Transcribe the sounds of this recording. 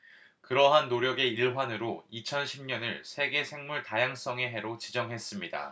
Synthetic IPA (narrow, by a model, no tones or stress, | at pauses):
kɯɾʌɦanːoɾjʌɡe̞iɭɦwanɯɾoit͡ɕʰʌnɕʰimɲʌnɯɭsʰe̞ɡe̞sʰe̞ŋmuɭtajaŋs͈ʌŋe̞ɦe̞ɾot͡ɕid͡ʑʌŋɦe̞s͈ɯmɲida̰